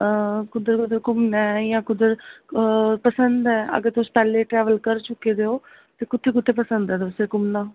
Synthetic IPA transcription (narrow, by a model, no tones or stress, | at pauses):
kʊd̪əɾkʊd̪əɾkʊmnɛːjãːkʊd̪əɾ | pəsənd̪ɛːə̰ɡəɾt̪ʊspɛːlːeːʈɾɛːʋəlkəɾt͡ʃʊkːeːd̪eːoː | t̪eːkʊt̪ʰːeːk̬ʊt̪ʰːeːpəsənd̪ɛːd̪oseːkʊmnaː